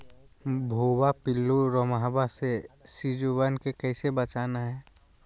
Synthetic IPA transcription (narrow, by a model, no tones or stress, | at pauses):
bʱoːbapɪlːuɾomɦbasesid͡ʒubənkekɛɪsebət͡ʃaːnaɦɛː